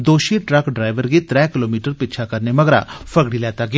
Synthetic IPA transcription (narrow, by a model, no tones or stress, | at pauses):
d̪oːʃiʈɾəkɖɾaːɪʋəɾɡit̪ɾɛːkɪloːmiːʈəɾpɪːt͡ʃʰakɐɾnemɐɡɾa̰fʰəɡɽilɛːt̪aɡɪa